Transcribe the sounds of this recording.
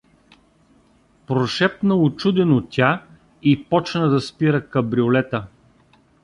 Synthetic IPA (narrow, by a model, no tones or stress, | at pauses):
pɾoʃɛpnəʊt͡ʃud̪ɛnot̪ʲa | ipɔt͡ʃnəd̪ɐspiɾəkɐbɾiolɛt̪ə